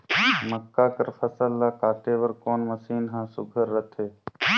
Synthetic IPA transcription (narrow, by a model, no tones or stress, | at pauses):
məkːaːkəɾpʰəsəlːaːkaːt̪eːʋəɾkoːnməsiːnɦãːsʊɡʱəɾːət̪ʰeː